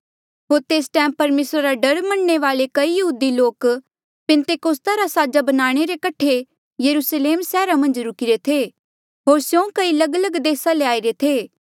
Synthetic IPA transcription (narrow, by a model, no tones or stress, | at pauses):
ɦoːɾt̪eːsʈɛ̃ːmpɐɾmeːsɾaɾaɖɐɾmɐ̃nɳeʋaːlekɐijɐɦuːd̪iloːk | pɛ̃nt̪eːkoːst̪aɾasaːd͡ʒabɐnaːɽ̃eɾekɐʈʰe | jɐɾusleːmsɛːɾamɐ̃nd͡ʒɾʊkiɾet̪ʰeː | ɦoːɾsjõkɐilɐɡələɡd̪eːsaleaːiɾet̪ʰeː